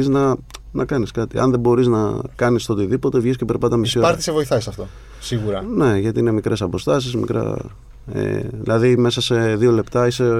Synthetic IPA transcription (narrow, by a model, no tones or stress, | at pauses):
iznɐnʔɐkɐniskɐt̪iɐ̰nðebo̞ɾiznɐkɐnist̪ot̪iðipo̞t̪e̞vʝiscepe̞ɾpɐt̪ɐmisioɐɾt̪i̥sevo̞iθɐisɐft̪o̞ | siɣuɾɐne̞ʝɐt̪iinemikɾe̞sɐpo̞st̪ɐs̬izmḭkɾɐ̰ | ḛðḭlɐðime̞sɐse̞ðio̞le̞pt̪ɐise̞